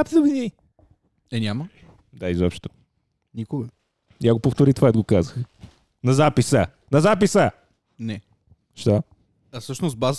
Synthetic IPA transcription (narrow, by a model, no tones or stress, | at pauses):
ap̪səvini | ɛnʲamə | d̪aizɔpʃt̪o̥ | nʲikʊɡɐ | iaɡopoft̪oɾit̪ovat̪ɡokazəx | nɐzapisə | nɐzapisə | nɛ | ʃt̪ɔ | ɐsɤʃnost̪baz